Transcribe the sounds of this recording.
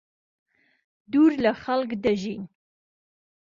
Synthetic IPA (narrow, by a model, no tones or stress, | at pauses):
d̪uɾlaχalkd̪aʒin